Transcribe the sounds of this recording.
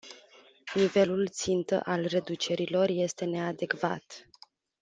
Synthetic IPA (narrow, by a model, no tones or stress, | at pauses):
nive̞lult̪sint̪ə̰ʔalre̞d̪ut͡ʃe̞ɾilo̞rje̞st̪e̞ne̞ad̪e̞kva̰t̪